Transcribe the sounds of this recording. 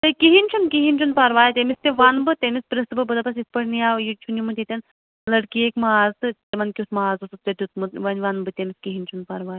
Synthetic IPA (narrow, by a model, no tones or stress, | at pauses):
t̪ɨkiɦinʲt͡ʃʰunkiɦinʲt͡ʃʰunpaɾʋaːjt̪ʲemist̪eʋaːnbɨt̪ʲemʲispɾɐst̪ɨbɨbɨd̪ɐpɐs̬ispɐɽnijaːwjit͡ʃʰunimɨt̪ʲet̪ʲɐn | lɐɽkiekmaaːzɨt̪ʲemɐnkʲit̪mɐaːzusɨt̪ʲɐt̪ʲut̪mut̪ʋɐnʲʋaːnbɨt̪ʲemiskiɦinʲt͡ʃʰunpaɾʋaːj